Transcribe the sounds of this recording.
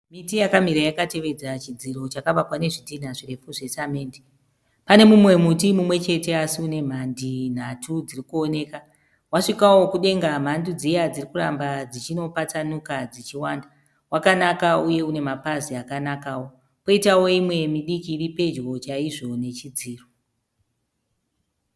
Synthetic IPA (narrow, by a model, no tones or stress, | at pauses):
mitijakam̤iɾajakate̞ʋe̞d͡zat͡ʃid͡ziɾo̞t͡ʃakaʋakwane̞ʐidʱin̤aʐire̞fuʐesameːndi | pane̞mumwe̞mutimumwe̞t͡ʃe̞te̞asiune̞m̤andin̤atʰud͡zirikuo̞ne̞ːka | waʂikawo̞kuɗe̞ŋɡam̤andud͡zijad͡zirikuɾa̰mbad͡zit͡ʃino̞pat͡sanukad͡zit͡ʃiwaːnda | wakanakauje̞une̞mapaziakanakaːwo̞ | po̞itawo̞imwe̞miɗikiːripe̞d͡ʒɣo̞t͡ʃaiʐo̞ne̞t͡ʃid͡ziːro